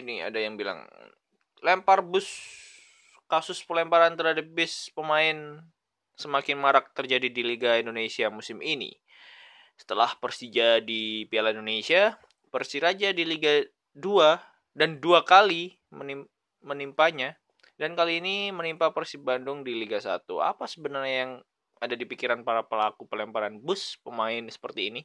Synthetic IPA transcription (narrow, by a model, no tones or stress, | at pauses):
inia̰dajaŋbila̰ŋ | lɛmparbʊs | kasʊspəlɛmpaɾant̪ərɦadap̚bɪspəmaɪn | səmakɪnmaɾak̚t̪ərd͡ʒadidiliɡaindonesiamusɪminḭ | sə̥t̪əla̰hpərsid͡ʒadipialaindonesia | pərsiɾad͡ʒadiliɡa | dua | danduakali | mənim | mənimpaɲa | dankaliːnimənimpapərsibandʊŋdiliɡasa̰t̪ua̰pasəbənarɲajaŋ | adadipikiɾanpaɾapəlakupəlɛmpaɾanbʊspəmaɪnsə̥pərt̪iːni